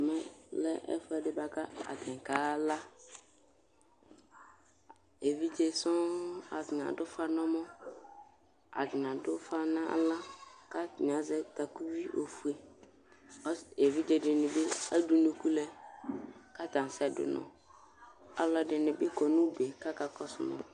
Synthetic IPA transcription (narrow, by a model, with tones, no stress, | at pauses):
mɛ˦lɛ̰˦ʔɛ̰˦fɛ˦dɪ˦ba˨ka˦a̰˨tɛ̃˨ŋ˨ka˨˦la˦ | e˨vi˦d͡ʒe˦˨sɔ̃˦a̰˨dɪ˨nã̰˨dʊ˦fa˦nɔ̃˦mɔ̃˦ | a̰˨dɪ˨nã˨dʊ˦fa˦nã˦a̰˦la˦ka˦˨ɲ˨ã˨zɛ˦t̪a˨ku˦wi˦ʔo̰˨fu˨e˨˦ | e˨vi˦d͡ʒe˨dɪ˨nɪ̃˨bɪ˦a˦du˦nʊ̃˦ku˦lɛ˦ | ka˦t̪ã˨sɛ˦˨dʊ̰˨nʊ̰̃˨ | a̰˦lɔ˨dɪ˨nɪ̃˨bɪ˦kɔ˨nʊ̃˦be˨ka˦ka˨kʰɔ˦sʊ˨mɔ̰˨